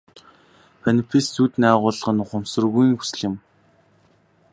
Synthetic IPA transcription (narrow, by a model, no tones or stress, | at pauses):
pʰanipʰist͡suːt̪næːʁʊːɮ̆ʁə̆nʊχʊ̆msɵ̆rɣujiŋxu̥sɘ̆ɮɪ̆m